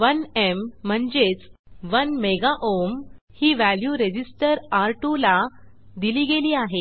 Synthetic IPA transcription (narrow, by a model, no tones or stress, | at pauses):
ʋənem̤ːəɳd͡ʑet͡s | ʋənmeɡaʔom | hiːʋæljuɾed͡ʑisʈəɾaɾʈula | d̪iliːɡeliːaɦe